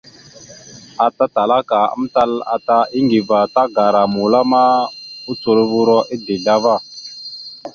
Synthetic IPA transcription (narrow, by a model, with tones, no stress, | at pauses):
a˨ta˦ta˨la˦ka˨ə̰˦m˦ta˦la̰˨ta˦i˦ŋɡi˨va˨ta˦ɡa˨ɾa˨mu˨la˦ma˦u˦t͡su˨ɾvu˦ɾɔ˦ʔi˦de˨ɮa˦va˦˨